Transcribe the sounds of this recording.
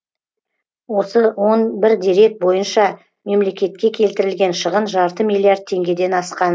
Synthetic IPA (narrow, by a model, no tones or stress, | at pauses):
wo̞səwo̞nbɪɾd̪ʲiɾe̞t̪̚bo̞jənʃɑ | me̞mle̞kʲe̞t̪̚kʲe̞kʲʰe̞lt̪ɪɾɪlɡʲe̞nʃəʁənʒɑɾt̪əmijlʲˠiard̪̚t̪ʰe̞ŋɡʲe̞d̪e̞nɑsqɑn